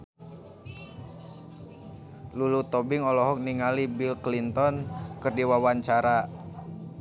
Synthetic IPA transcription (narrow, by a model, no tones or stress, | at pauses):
lulut̪ɔbiŋɔlɔɦɔk̚niŋalibilklint̪ɔnkɨrdiwawaɲt͡ʃaɾa